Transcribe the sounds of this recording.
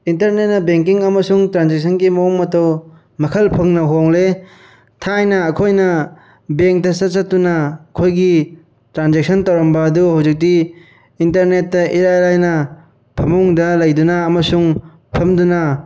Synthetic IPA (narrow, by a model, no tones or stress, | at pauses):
intɐɾnet̚nɐbeŋkiŋɐmɐsuŋtɾanzek̚sʰɐnɡimɐŋmɐtɐw | mɐkʰɐlpʰɐŋnɐɦoŋle | tʰajnɐːkʰojnɐ | beŋk̚tɐsɐt̚sɐtːunɐːkʰojɡi | tɾanzek̚sʰɐntɐwɾɐmbɐːduɦawzik̚diː | ntɐɾnetːɐʔiɾajɾajnɐ | pʰɐmuŋdɐlɐjdunɐːmɐsuŋ | pʰɐmdunɐ